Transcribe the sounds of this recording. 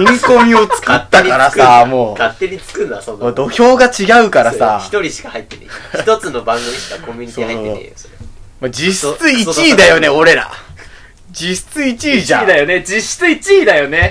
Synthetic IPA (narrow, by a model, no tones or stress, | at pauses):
ĩŋko̞mʲio̞t͡sɨ̥kɯt̪ːakaɾasamoːkat̪ːeɲ̟it͡sɨ̥kɯnaood̪o̞çʲo̞ːɡat͡ɕiɡaɯ̟kaɾassaçi̥t̪oɾʲiɕi̥kahait̪ːena̰ç̥t̪ot͡sɨno̞bãŋɡɯ̟mʲiɕi̥kakõmʲiɲʲisoiːhaisoːeo̰ | mad͡ʑist͡sɨit͡ɕiːd̪ajo̞ne̞o̞ɾe̞ɾa̰ | d͡ʑist͡sɨit͡ɕiːʑã̰d̪ajoned͡ʑiɕt͡sɨit͡ɕiːd̪ajo̞ne